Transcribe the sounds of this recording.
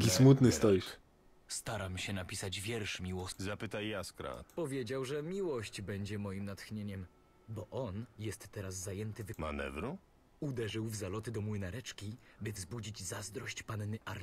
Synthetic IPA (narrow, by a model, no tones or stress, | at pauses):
kʲismut̪nɘst̪ɔjiʃ | st̪aɾamɕɛnapʲisad͡ʑvʲjɛɾʂmʲiwɔzapɘt̪ajːaskɾa̰pɔvʲjed͡ʑawʐɛmʲiwɔɕd͡ʑbɛɲd͡ʑɛmɔjimnat̪xɲeɲɛm | bɔʔɔnjɛst̪ːɛɾazːajɛnt̪ɘvma̰nɛ̰vɾu | ud̪ɛʐɘwvzalɔt̪ɘd̪ɔmwɘnaɾɛt͡ʂkʲibɘvzbud͡ʑid͡ʑzazd̪ɾɔɕt͡ɕpanːɘʔaɾʲ